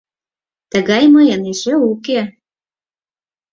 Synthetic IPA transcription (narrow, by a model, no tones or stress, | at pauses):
t̪əɣɑjməjəneʃeuke